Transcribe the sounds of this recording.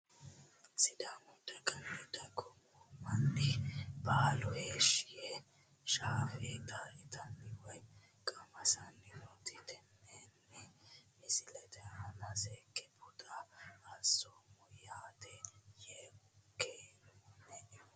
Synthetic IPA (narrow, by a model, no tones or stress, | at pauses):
sɪd̪amʊt̪ɐkʼɐlɛt̪ɐkʼɔm | ɔmɐnːɪbaːlɔheːʃɪjɛ | ʃaːfet̪aʔɪt̪ʰɐnːɪwɔj | kʼɐmɐsɐnːɪnɔt̪ɪt̪ɛnːenːɛmɪsɪlɛt̪ʰɛɐnɐsɛːkʼːɛpʰʊt̪ʼaɐsoːmɔjaːt̪ɛjeːʊkeːnːɛ